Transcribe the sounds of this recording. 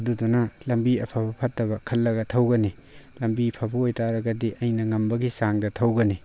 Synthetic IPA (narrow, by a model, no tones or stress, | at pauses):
dudunɐlɐmbiɐpʰabɐpʰɐtːɐβɐkʰɐlːɐɡɐtʰɐwɡɐnilɐmbipʰabɐojtʰaɾɐɡɐdiʔɐjnɐŋɐmbɐɡisaŋdɐtʰɐwɡɐni